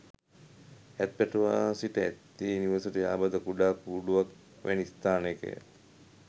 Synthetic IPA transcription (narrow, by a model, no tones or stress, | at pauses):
æt̪̚pæʈəʋaːsiʈəæt̪ːiːniʋəsɐʈəjaːbad̪əkuɖaːpuːɖuʋak | ʋʔɛ̰nist̪aːnekə̰j̰